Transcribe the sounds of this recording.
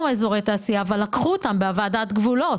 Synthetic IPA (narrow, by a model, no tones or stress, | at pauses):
meːzo̞ʁejt̪aːsijaːvalːakχuot̪ambeavaːd̪at̪ɡvulo̞